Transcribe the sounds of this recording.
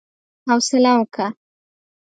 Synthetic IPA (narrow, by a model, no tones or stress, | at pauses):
hawsɪlawəka